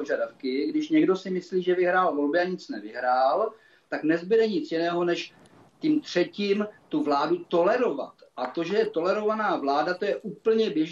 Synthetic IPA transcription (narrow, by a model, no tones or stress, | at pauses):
oʒadafkɪɡdɪʃɲɛɡdo̞sɪmɪsliːʒɛvɪɦɾaːlvo̞lbɪaɲɪt͡snɛvɪɦɾaːl | t̪aknɛzbɪdɛɲɪt͡sjɪnɛːɦo̞nɛʃ | c̪iːmt̪r̝̥ɛciːmt̪uvlaːdut̪o̞lɛɾo̞va̰t̪ʔat̪oʒɛjɛt̪o̞lɛɾo̞vanaːvlaːdat̪o̞jɛʔuːpl̩ɲɛbjɛʒ